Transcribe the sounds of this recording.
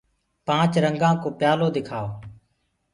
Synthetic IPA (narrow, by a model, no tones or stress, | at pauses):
pãːt͡ʃɾəŋɡãːkoːpɪjaːloːd̪ɪkʰaːoː